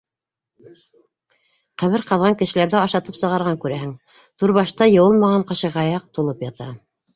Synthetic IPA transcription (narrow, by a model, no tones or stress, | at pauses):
qæβɘɾqɑðʁɑŋkɘ̆ʃɘ̆læɾðɘɑʃɑt̪ɤpsɤ̆ʁɑɾʁɑŋkʉɾæɦɘŋ | t̪uɾβɑʃt̪ɑjɤ̆wɤlˠmɑʁɑɴqɑʃɤʁɑjɑq̚t̪ulˠɤpjɑt̪ɑ